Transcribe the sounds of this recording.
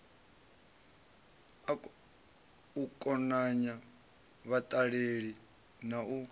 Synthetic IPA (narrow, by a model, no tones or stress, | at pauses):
a | ukʼɔnaɲa | βat̪ʼaɺeɺi | nau